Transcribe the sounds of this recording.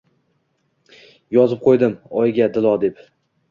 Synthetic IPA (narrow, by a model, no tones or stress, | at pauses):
jɒzɨp̚qʰojd̪ɪmɒjɡʲad̪ɪlˠɒd̪e̞p